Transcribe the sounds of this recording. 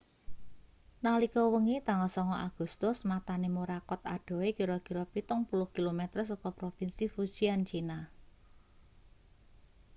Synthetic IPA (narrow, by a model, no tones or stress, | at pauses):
nalikɔwəŋit̪aŋɔsɔŋɔʔaɡ̥ṳst̪ʊsmat̪anemuɾakɔt̪aɖ̥o̤wekiɾɔkiɾɔpit̪ʊŋpulʊhkilomɛt̪ərsɔkɔpɾofinsifusiant͡ʃina